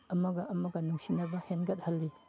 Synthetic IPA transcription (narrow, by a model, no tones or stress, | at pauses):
ɐmɐɡɐʔːmɐɡɐnuŋsinɐbɐhenɡɐt̚hɐlːi